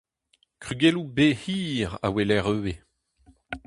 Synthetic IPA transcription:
kʁyɡelubehiːʁa̰welɛʁøːe

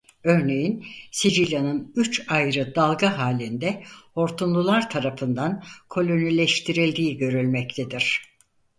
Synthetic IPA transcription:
ø̞ɾne̞jinsid͡ʒilʲanɯnyt͡ʃajɾɯd̪alˠɡaɦaːlʲind̪ɛo̞ɾt̪ʰunlˠulˠaɾt̪ʰaɾafɯnd̪ankʰo̞lʲo̞nilʲɛʃt̪ʰiɾilʲd̪iːɟø̞ɾylʲmɛct̪ʰed̪iɾ̥

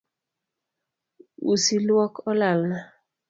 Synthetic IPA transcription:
ṵsilwɔkʰɔlalna

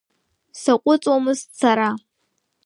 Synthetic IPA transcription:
sakʷʼʊt͡sʼwamɨst͡sʰaɾa

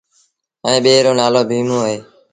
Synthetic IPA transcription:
ẽːɓeːɾoːnaːloːbʱiːmõːɦɦeː

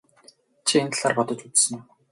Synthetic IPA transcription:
t͡ɕʰient̪ɮaːrpɔt̪ɞ̆t͡ɕut͡ssə̆n

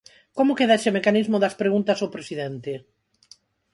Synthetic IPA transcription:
komʊkeðaeʃemekanizmʊðɐspɾeɣunt̪ɐsopɾesiðent̪e

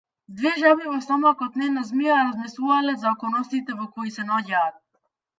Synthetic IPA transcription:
d̪vɛʒabivɔsamakɔt̪nɛnazmiaɾazmɛsˠuvalɛzaɔkɔnɔst̪it̪ɛvɔkɔisɛnɔɟaːt̪̚

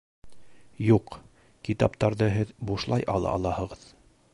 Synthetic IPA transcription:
juq | kit̪ɑ̰pt̪ɑɾðɤɦɘðbuʃlˠɑjʔɑ̰lˠɑ̰ʔɑ̰lˠɑhɤ̆ʁɤð

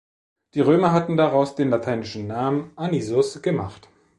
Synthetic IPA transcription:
d̥iːʁøːmɐɦatn̩daʁaʊsd̥eːnlatʰaɪnɪʃn̩naːmənʔanizʊsɡ̥əmaχt

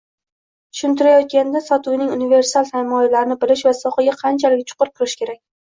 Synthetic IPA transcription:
t̪ʰʊ̥ʃʊnt̪ɪɾajɒt̪̚kʲand̪asɒt̪ʊwnɪŋʊnɪve̞ɾsalˠsaɾmɒjalaɾɪnɪbɪlɪʃvasɒqɑɡʲaqʰɑnt͡ʃʰalɪkʲt͡ʃʰʊ̥qʊɾɪp̚kʰʊɾɪʃkʲe̞ɾak̚ʲ

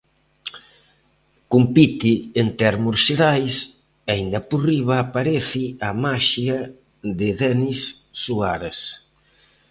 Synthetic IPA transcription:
kumpit̪ɪent̪ɛɾmʊseɾajs | aind̪ɐpuriβaːpaɾɛθɪamaʃia | ðɪðɛnisː | uaɾas

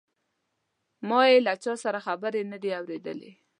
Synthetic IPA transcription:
mɑjelat͡ʃɑsaɾaxabəɾenəd̪eawɾed̪ə̰lḛ

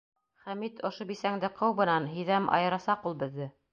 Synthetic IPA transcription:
χæmit̪ŏʃobisæŋd̪ɘqʰɤ̆wβɤ̆nɑnɦĭðæmʔɑ̰jɤ̆ɾɑsɑqulˠbɘ̆ðːɘ

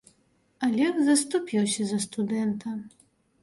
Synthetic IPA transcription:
ɐlʲɛxzɐst̪upʲiwsʲɐzɐst̪ud̪ɛnt̪ʰɐ

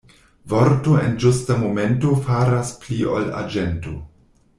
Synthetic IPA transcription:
voɾtoḛnd͡ʒustamome̞nto̞faɾaspliʔo̰la̰d͡ʒento

